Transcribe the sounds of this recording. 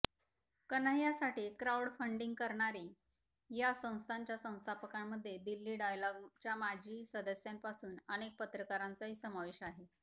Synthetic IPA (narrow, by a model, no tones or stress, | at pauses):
kənəɦjasaʈiːkɾawɽfəɳɖiŋɡ̚kəɾɳaɾiː | jasə̃w̃st̪ʰaɲt͡ɕjasə̃w̃st̪ʰapəkamːəd̪ʱːjed̪ilːiːɖajlɔɡt͡ɕjamad͡ʑʱiːsəd̪əsjampasuːnəñek̚pət̪ɾəkaɾant͡saɦiːsəmaʋeɕaɦe